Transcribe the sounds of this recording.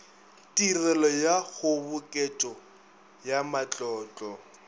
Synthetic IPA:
tʼirɛlɔjaɣʊbʊkʼɛt͡ʃʼɔ | jamat͡ɬʼɔːt͡ɬʼɔ

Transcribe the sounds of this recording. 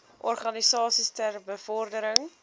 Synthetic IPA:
ʔɔrχɐnisɑːsistærbəfɔrdəɾəŋ

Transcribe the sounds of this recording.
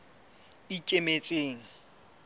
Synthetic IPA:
ikʼemet͡sʼeːŋ̩

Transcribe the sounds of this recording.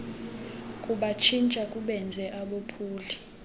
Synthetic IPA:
kʼuɓat͡ʃʰint͡ʃʼakʼuɓɛnd͡zʱɛʔaɓopʰuːli

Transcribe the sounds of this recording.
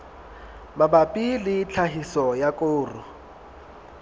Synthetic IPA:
mabapʼilɪt͡ɬʰaɦisɔjakʼʊːrʊ

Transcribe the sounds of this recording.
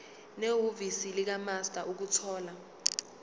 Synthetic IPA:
neɦovisilik̬amastʼaʔuk̬utʰɔːla

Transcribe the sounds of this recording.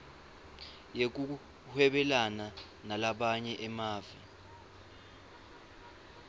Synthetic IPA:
jek̬u | hwɛɓɛlana | nalaɓaɲɛʔɛmaːvi

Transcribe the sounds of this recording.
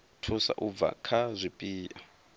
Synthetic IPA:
tʰusa̰ʔub̪va̰kʰazʷipʼiːʔa

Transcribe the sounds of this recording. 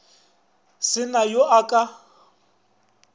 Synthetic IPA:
sɪnajoʔakʼa

